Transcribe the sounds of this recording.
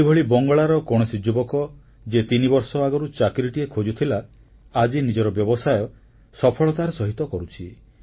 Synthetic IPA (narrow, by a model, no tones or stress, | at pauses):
ibʱɔɭibɔŋɡɔɭaɾɔkɔɽ̃ɔsid͡ʒubɔkɔ | d͡ʒet̪inibɔɾsɔaɡɔɾut͡ʃakɾiʈiekʰod͡ʒut̪ʰilaː | d͡ʒinid͡ʒɔɾɔbjɔbɔsajɔ | sɔpʰɔɭɔt̪aɾsɔɦit̪ɔkɔɾut͡ʃʰi